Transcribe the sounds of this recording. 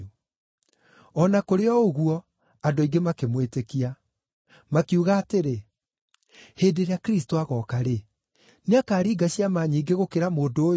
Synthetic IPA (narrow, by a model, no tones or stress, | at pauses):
ɔnakoɾeɔoɣuɔ | adoiɡemakemwetekia | makiuɣaːteɾe | heːdeɾeakɾis̬toaɣɔːkaɾe | neakaːɾiːɡaɕiamaːɲiːŋɡeɣokeɾamoːndo